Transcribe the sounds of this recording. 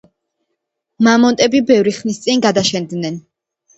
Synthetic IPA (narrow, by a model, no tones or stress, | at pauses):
mamɔnt̪ʼɛbibɛvɾiχmnist̪sʼinɡad̪aʃɛnd̪nɛn